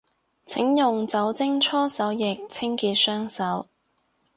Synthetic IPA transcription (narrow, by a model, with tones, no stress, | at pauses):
t͡sʰɪ˨˥ŋjʊ˨ŋt͡sɐ˨˥wt͡sɪ˥ŋt͡sʰɔː˥sɐ˨˥wjɪ˨k̚t͡sʰɪ˥ŋkiː˧t̚sœː˥ŋsɐ˨˥w